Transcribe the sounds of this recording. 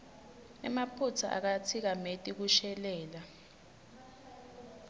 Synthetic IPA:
nɛ̰mapʰut͡sʰaʔa̰k̬atʰik̬ametʼik̬uʃɛlɛːla

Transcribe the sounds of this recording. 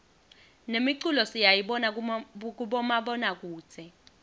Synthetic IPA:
nemiǀulɔsijajiɓɔnak̬uɓɔmaɓɔnak̬u̥ːt͡sʰɛ

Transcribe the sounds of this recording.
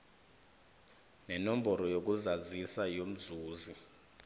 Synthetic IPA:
nɛnɔm̩bʱɔɾɔjok̬ʼuzazisajom̩zuːzi

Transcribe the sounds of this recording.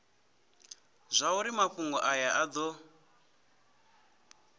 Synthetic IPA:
zʷauɾimaɸuŋɡɔʔajaʔad̪ɔ

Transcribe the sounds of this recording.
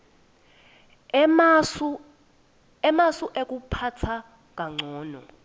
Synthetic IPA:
ɛmasuʔek̬upʰatʰa | k̬aŋ͡ǀʱɔːnɔ

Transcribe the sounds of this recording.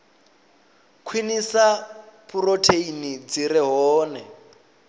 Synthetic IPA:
kʰwinisapʰurotʰeinid͡ziɾɛɦɔːnɛ

